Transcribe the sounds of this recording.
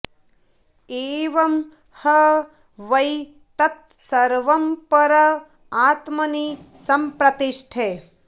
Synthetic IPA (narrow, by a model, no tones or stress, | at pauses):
eːʋɐm | hɐ | ʋɐj | t̪ɐt̪̚sɐɾʋɐmpɐɾɐ | aːt̪mɐnisɐmpɾɐt̪iʃʈʰe